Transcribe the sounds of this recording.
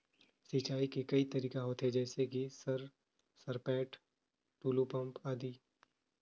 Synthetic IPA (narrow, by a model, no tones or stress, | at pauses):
sɪt͡ʃaːikekɐit̪ɐɾiːkaɦoːt̪ɦed͡ʒɛːsekisɐɾ | sɐɾpɛːʈ | ʈuːlupɐ̃mpaːd̪iː